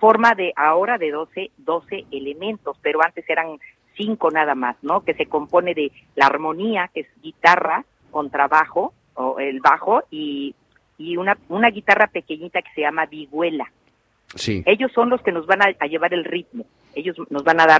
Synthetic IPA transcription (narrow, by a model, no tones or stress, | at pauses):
fo̞ɾmaðe̞ʔaoɾaðe̞ðoseðo̞se̞ʔele̞mẽ̞nt̪o̞spe̞ɾo̞ant̪e̞se̞ɾan | siŋko̞nað̞amasno̞ke̞se̞ko̞mpo̞ne̞ðe̞laːɾmõ̞niakez̥ɡit̪ara | ko̞nt̪ɾaβaxo̞ | oelβaxo̞iː | unaunaɣit̪arape̞ke̞ɲit̪ake̥seʝamaβiɣwe̞la | sḭe̞ʝo̞sːo̞nlo̞ske̞no̞zβanaaʝe̞βaɾe̞lrit̪mo̞ | e̞ʝo̞zno̞zβanaðaɾ